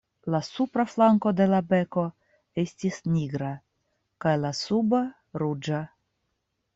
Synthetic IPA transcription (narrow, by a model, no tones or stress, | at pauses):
lasupɾaflaŋko̞d̪e̞labe̞ko̞ | estisnʲiɡɾa | kajlasuba | ɾud͡ʒa